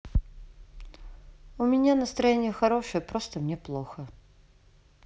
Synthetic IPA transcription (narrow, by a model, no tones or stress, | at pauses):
ʊmʲɪnʲanəst̪ɾɐjenʲɪjəxɐɾoʂɨjəpɾost̪əmnʲeplˠoxə